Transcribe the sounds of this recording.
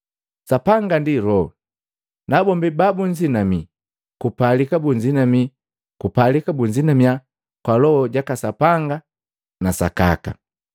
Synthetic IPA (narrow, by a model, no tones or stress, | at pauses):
sapaŋɡandilɔ | nabɔmbibabuɲd͡ʒinami | kupalikabuɲd͡ʒinami | kupalikabuɲd͡ʒinamia | kwalɔhɔɟakasapaŋɡa | nasa̰ka̰ka̰